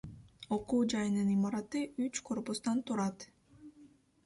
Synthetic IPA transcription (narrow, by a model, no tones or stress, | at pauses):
o̞quːd͡ʒɑjɯnɯnimɑɾɑt̪ɯyt͡ʃkʰo̞rpust̪ɑnt̪uɾɑt̪